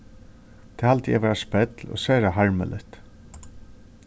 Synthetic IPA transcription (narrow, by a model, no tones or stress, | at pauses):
t̪ʰeːhalt̪jɛ̰ʋɛːɾaspɛt̪lɔ̰ːsæːɾaɦaɹmə̰lɪ̰ht̪